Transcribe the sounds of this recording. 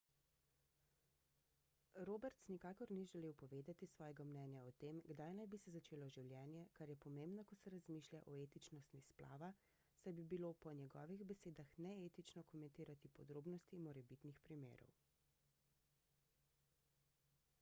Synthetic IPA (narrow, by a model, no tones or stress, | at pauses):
ɾoːbɛɾt̪snikaːkɔɾniʒɛleːwpɔʋeːd̪at̪isʋɔːjɛɡamnɛnjaɔt̪emɡd̪ajnajbisɛzat͡ʃeːlɔʒiwljɛːnjɛkaɾjɛpɔmeːmbnɔkɔsɛɾazmiːʃljaʔɔeːt̪it͡ʃnɔst̪nispla̰ːʋa | sajbibilopɔnjɛɡɔːʋiɣbɛseːd̪axnɛeːt̪it͡ʃnɔkɔmɛ̃nt̪iːɾat̪ipɔd̪ɾoːbnɔst̪imɔɾɛbit̪nixpɾimḛːɾɔ̰w